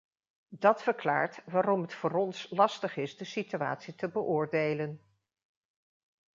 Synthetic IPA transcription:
dɑtfəɹkla̰ːɹtʋaːɾɔmɦətfʊːɾɔnslɑstəχɪzdəsitya̰ːtsitəbəʔʊːɹdejlən

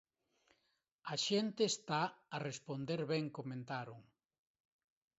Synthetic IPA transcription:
aʃent̪eːst̪aːrespond̪eɾβɛŋkomẽnt̪aɾoŋ

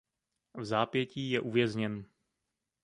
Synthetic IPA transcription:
vzaːpjɛciːjɛʔuvjɛzɲɛn

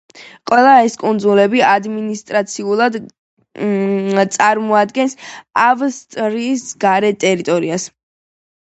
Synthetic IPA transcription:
qʼwɛlˠaɛskʼund̪zulɛbiad̪minist̪ʼɾat̪sʰiulˠad̪ | t̪sʼaɾmɔad̪ɡɛnsavst̪ʼɾisɡaɾɛt̪ʼɛɾit̪ʼɔɾias

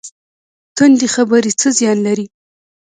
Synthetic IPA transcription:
t̪und̪ixabəɾit͡səzjɑnlaɾi

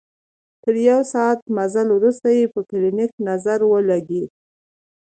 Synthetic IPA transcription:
t̪əɾjawsɑːt̪mazalwɾust̪ajepəkɪlɪnɪknazaɾwəlaɡed̪̚

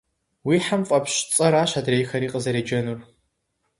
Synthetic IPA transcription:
wiːħamfʼɐpɕt͡sʼɐɾaːɕadrejxɐɾiːqʼəzɐɾeːd͡ʒɐnur

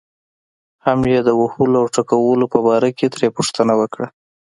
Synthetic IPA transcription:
hamjed̪əwahuloawʈakawəlopəbɑɾaket̪ɾepuʂt̪ənawəkɽa

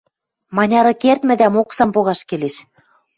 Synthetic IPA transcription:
mɑnʲɑɾɤ̆kert̪mɘ̆d̪æmoksɑmpoɣɑʃkeleʃ

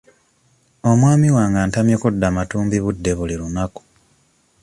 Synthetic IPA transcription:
o̞mwaːmiwaːŋɡaːntamjekudːamatuːmbiβudːe̞βuliɾunaku̥

